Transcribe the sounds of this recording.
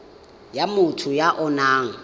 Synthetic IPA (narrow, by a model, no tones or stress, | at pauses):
jamʊtʰʊjaʔʊnaːŋ̩